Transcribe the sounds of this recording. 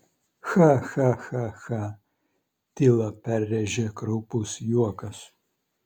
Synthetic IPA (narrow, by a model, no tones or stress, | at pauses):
xaxaxaxa | tilɐpʰærʲːɛʒɛkɾupʼusjuɔkɐs